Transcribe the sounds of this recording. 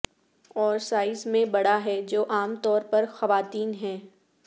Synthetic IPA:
ɔːɾsaːɪzmẽbɐɽaɦɛd͡ʒoːʔaːmt̪ɔːɾpɐɾxɐʋaːt̪iːnɦɛ̃ː

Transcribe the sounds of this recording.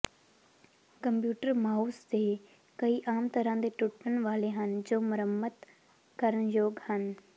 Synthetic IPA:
kəmpjuːʈəɾmaːusd̪e | kɐiːʔaːmt̪ɐɾãːd̪eʈʊʈəñʋaːleɦənd͡ʑoːmʊɾəmət̪ | kəɾəɳ̃joːɡhən

